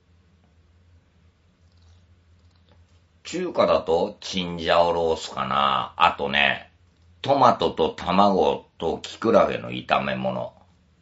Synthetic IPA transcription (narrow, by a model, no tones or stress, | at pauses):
t͡ɕɨːkad̪at̪o̞t͡ɕĩɲ̟d͡ʑaoɾo̞ːsɨ̥ka̰na̰a̰t̪o̞nḛ | t̪o̞mat̪o̞t̪o̞t̪ʰamaɡo̞t̪o̞kʲi̥kɯ̟ɾaɡe̞̰no̞̰ḭt̪ame̞̰mo̞̰no̞̰